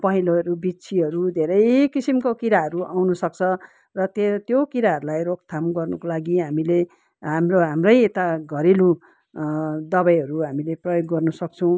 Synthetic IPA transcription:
pʌɦiloɾubit͡sʰiɦʌɾud̪ʱeɾʌjkisimkokiɾaɦʌɾuʔawnusʌk̚t͡sʰʌ | rʌt̪et̪jokiɾaɦʌɾulajrok̚t̪ʰamɡʌrnʌkolaɡiɦamile | ɦamroɦamrʌjet̪aɡʱʌɾilũ | d̪ʌbajɦʌɾuɦamileprʌjoɡːʌrnʌsʌk̚t͡sʰʌw̃

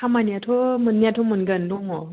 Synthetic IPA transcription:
amaniatʰɔmɯnːjatʰɔmɯnɡəndɔŋɔ

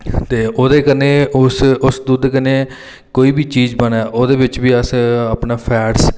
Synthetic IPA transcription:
t̪eːʔoːd̪eːkəneːʊsʊsd̪uːd̪ekəneː | koːiːbiːt͡ʃiːd͡ʒbənɛːʔoːd̪eːbɪt͡ʃbiːəsəːpnaːpʰɛːʈs

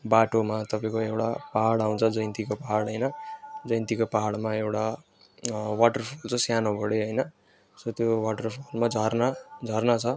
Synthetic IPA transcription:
baʈomat̪ʌpaĩkoewʈapaɦaɽaw̃t͡sʰʌd͡zʌjnt̪ikopaɦaɽɦʌjnʌd͡zʌj̃nt̪ikopaɦaɽmaewʈa | waʈʌrpʰult͡sʌ̃sjanobʌɽeɦʌjnʌ | sʌt̪jowaʈʌrpʰulmad͡zʱʌrnad͡zʱʌrnat͡sʰʌ

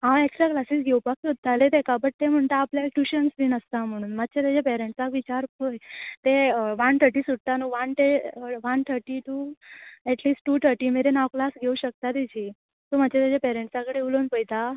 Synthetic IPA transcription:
ɦãweksʈɾaklasiːsɡʱewpakːot̪̚ːalet̪ekabəʈ̚t̪em̤əɳt̪aːpljalʈuɕənsbiːnəst̪am̤əɽ̃uːnmat̪ːt͡ɕʰet̪jad͡ʑapɛɾẽɳʈsakʋit͡ɕaɾpəjt̪eʋant̪ʰəɾʈiːsuɽ̚t̪anuʋant̪eʋant̪ʰəɾʈiʈu | ɛʈliːsʈʈuːt̪ʰəɾʈiːmeɾenawklasɡʱeuɕək̚t̪at̪id͡ʑʰiː | t̪omat͡ɕʰet̪jad͡ʑapɛɾẽɳʈsãkəɽeulonpəjt̪a

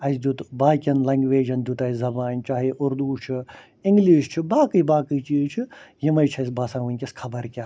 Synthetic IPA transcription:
ɐjsd̪ut̪baːkʲɐnlɐŋɡʋeːd͡ʒɐnd̪ʲut̪ɐːizɐbaːnt͡ʃaːɦiʔuɾd̪uːt͡ʃʰi | iŋɡliːʃt͡ʃʰibaːkɨjbaːkɨjt͡ʃiːzt͡ʃʰijimɐjt͡ʃʰɐjs̬baːsãːʋunʲkʲɐskʰɐbɐɾkʲa

